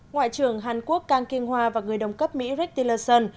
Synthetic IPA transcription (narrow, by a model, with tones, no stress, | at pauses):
ŋwa̰ː˧˨jt͡ɕɨ˨˩əŋɦaː˨˩nku˦˥ək̚ːaː˧ŋki˧ənhwaː˧vaː˨˩ŋɨ˨˩əjɗə˨˩wŋ͡mkə˦˥p̚mḭ˧˥ɾi˦˥k̚t̪i˧ləː˧sə˧n